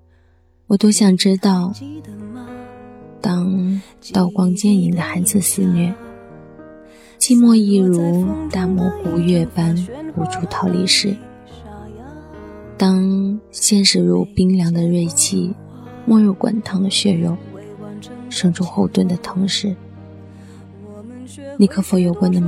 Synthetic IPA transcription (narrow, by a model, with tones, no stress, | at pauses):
wɔ˨˩t̪o˥ʊɕjɑ˨˩ŋʈ͡ʂɻ̩˥t̪ɑ˥˩ʊ | t̪ɑ˥ŋ | t̪ɑ˥˩ʊkwɑ˥ŋt͡ɕjɛ˥˩ni˧˥ŋd̪ə˧xa˧˥ɪd͡zɹ̩˥˧˩sɹ̩˥˧nɥɛ˥˩ | t͡ɕʰi˥˧mwɔ˥˧i˥˩ɻu˧˥t̪a˥˩mwɔ˥˩pu˧˥ɥɛ˥˩pa˥npu˧˥ʈ͡ʂʰu˥˩t̪ʰɑ˧˥ʊlḭ˧˩ʂɻ̩˥˩ | t̪ɑ˥ŋɕjɛ˥˧nʂɻ̩˥˩ɻu˧˥pi˥ŋljɑ˧˥ŋd̪ə˧ɻe˥˧ɪt͡ɕʰi˥˩ | mwɔ˥˧ɻo˥˩ʊkwa̰˨˩nt̪ʰɑ˧˥ŋd̪ə˧ɕɥɛ˥˩jo˧˥ʊ | ʂɤ˥ŋʈ͡ʂʰu˥xo˥˧ʊt̪wə˥˩nd̪ə˩t̪ʰɤ˧˥ŋʂɻ̩˥˩ | li˥˩kʰɤ˥˩fɔ˧˥jo˧˩ʊkwa˥nd̪ə˧